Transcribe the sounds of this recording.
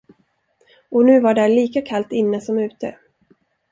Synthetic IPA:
ɔnʉ̟ːvaɖæɭiːkakʰalt̪ɪnːəsɔmʉ̟ːt̪ə̰

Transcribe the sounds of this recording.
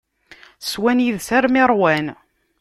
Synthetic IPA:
swænjiðsæɾmɪɾˤwæn

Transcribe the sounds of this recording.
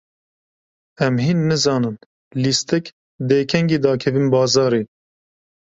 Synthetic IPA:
ɛmhiːnːɨzɑːnɨn | list̪ɛk | d̪eːkʰɛŋɡiːd̪ɑːkʰɛviːnbɑːzɑːɾeː

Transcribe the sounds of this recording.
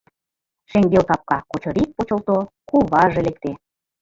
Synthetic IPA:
ʃeŋɡelt̪ɑp̚kɑkot͡ɕŏɾik̚pot͡ɕɤ̆lt̪o | kuβɑʒĕlek̚t̪e

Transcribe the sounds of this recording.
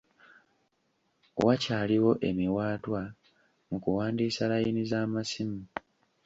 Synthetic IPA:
wacaːliwo̞ʔe̞miwaːtwa | mukuwaːndiːsalajinizaːmasimi

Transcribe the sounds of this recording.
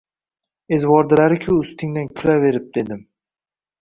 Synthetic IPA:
ezwɒɾd̪ɪlaɾɪkʲʰʊʊst̪ʰɪŋd̪ankʲʰʊlave̞ɾɪp̚d̪̥e̞d̪ɪm

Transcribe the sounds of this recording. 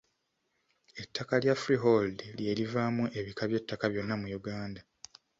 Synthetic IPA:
e̞tʰːakaljafɾiɦoldlje̞livaːmuʔe̞βikʰaβje̞tːakaβjo̞nːamujuɡaːnda

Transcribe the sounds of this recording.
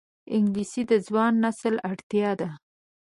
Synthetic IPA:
ɪŋɡlisid̪əzwɑnːasəlaɽt̪jɑd̪a

